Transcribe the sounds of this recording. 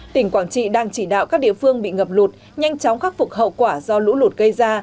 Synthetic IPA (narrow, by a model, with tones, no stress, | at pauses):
t̪ï˧˩ŋ̟kwaː˧˩nt͡ɕḭ˧˨ɗaː˧ŋt͡ɕi˧˩ɗa̰ː˧˨wkaː˦˥k̚ɗḭ˧˨əfɨ˧əŋɓḭ˧˨ŋə˨˩p̚lu˨˩t̚ | ɲa˧jŋ̟t͡ɕɔ˨˦wŋ͡mxa˦˥k̚fu˨˩k̚ɦə̰˧˨wkwaː˧˩zɔ˧lṵ˧˥lu˨˩t̚ɣə˧jzaː˧